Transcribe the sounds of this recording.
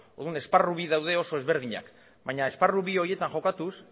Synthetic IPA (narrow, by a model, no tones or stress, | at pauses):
o̞ɾðune̞sparuβ̞iðawðe̞o̞so̞e̞zβe̞ɾð̞iɲa̰k | bajɲaesparuβio̞ɾie̞t̪aŋʝo̞kat̪us